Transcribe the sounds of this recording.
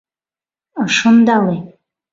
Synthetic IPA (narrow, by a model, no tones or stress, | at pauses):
aʂɨnd̪alej